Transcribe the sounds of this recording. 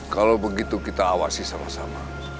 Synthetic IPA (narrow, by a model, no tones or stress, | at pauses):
kalowbəɡit̪ukit̪aːwa̰sisama̰hsama